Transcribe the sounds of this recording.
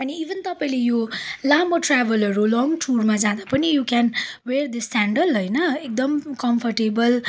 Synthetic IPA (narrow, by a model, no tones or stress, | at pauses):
ʌniːbʱʌnt̪ʌpãĩlejolamʌʈrabʌlʌɾulɔŋʈʰurmad͡zãd̪apʌnijukɛnwerd̪isaɳɖəlɦojnʌek̚d̪ʌmkʌmpʰʌrʈebʌl